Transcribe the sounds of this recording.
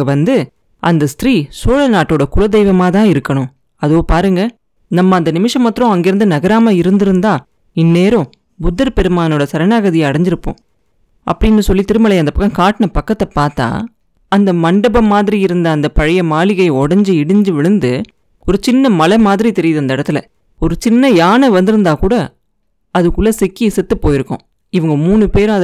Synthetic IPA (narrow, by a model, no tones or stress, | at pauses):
ɐʋɐnd̪ɯ | ɐnd̪ɐst̪ɪɾiːsoːɻɐnaːʈːoːɽɐkʊɻɐd̪ɛjʋɐmaːt̪ãːɪɾɯkːɐɳʊ̃ | ɐðoːpaːɾɯŋɡɐ | nɐmːɐːnd̪ɐnɪmɪʂɐmːɐt̪ːɾɔ̃ɐŋɡɪɾɯnd̪ɯnɐɣɐɾaːmɐɪɾɯnd̪ɪɾɯnd̪ãː | ɪnːeːɾʊ̃ | bʊd̪ːɐɾpɛɾɯmaːnoːɽɐsɐɾɐnaːɣɐðɪjɐɐɽɐɲd͡ʒɪɾɯpːõ̰ː | ʔɐ̰pːɐɽɪnːɯsɔlːit̪ɪɾɯmɐlɐjɐnd̪ɐpɐkːɐ̃kaːʈnɐpɐkːɐt̪ːɐpaːɾt̪a̰ː | ɐnd̪ɐmɐɳɖɐbɐmːaːðɪɾiɪɾɯnd̪ɐːnd̪ɐpɐɻɐjɐmaːlɪɣɐɪɔɽɐɲd͡ʒɯɪɽɯɲd͡ʒɯʋɪɻɯnd̪ɯ | ɔɾɯt͡ʃɪnːɐmɐlɐmaːðɪɾit̪ɛɾɪjɐðɯɐnd̪ɐɛɽɐt̪ːɯlɐ̰ | ɔɾɯt͡ʃɪnːɐjaːnɐʋɐnd̪ɯɾɯnd̪aːkuːɽɐ | ɐðɯkːɯɭːɐsɪkːiɪsɛt̪ːɯpːoːjɪɾɯkːʊ̰̃ | ɪʋɐŋɡɐmuːnɯpeːɾʊ̃ɐð